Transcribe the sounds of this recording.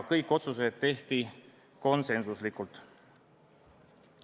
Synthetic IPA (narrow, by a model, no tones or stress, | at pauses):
kɤjkːˑo̞t̪suse̞ːd̪̥̚t̪ːe̞ht̪i | ko̞nse̞nsuslikult̪